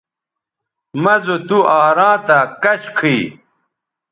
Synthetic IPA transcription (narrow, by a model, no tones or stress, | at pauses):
mɐzot̪uʔaːɾãːt̪akɐɕkʰiː